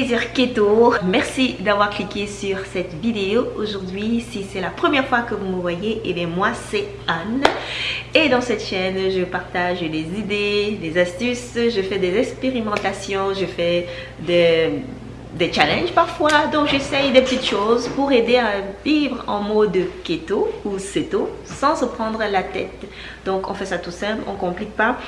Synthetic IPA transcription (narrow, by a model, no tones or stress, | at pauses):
eziʁket̪omɛʁsid̪avwaʁklikʲesyʁsɛt̪vid̪eooʒuʁd̪ɥisisɛlapχəmjɛʁfwakəvuməvwajeʔelɛmwasɛ | an | ed̪ɑ̃sɛt̪ʃɛnʒəpaʁt̪aʒlezid̪elezast̪ysʒəfɛd̪ezɛkspeʁimɑ̃t̪asjɔ̃ʒəfɛ | d̪ɛ | d̪ɛt͡ʃalɛ̃nʒpaʁfwad̪ɔ̃kʒesɛjd̪epət̪it̪ʃozpuʁed̪eavivʁɑ̰̃mod̪əket̪ouset̪o | sɑ̃səpχɑ̃d̪ʁəlat̪ɛ̰t̪ | d̪̥ɔ̃kɔ̰̃fɛsat̪usɛ̃plɔ̰̃kɔ̃plik̚pa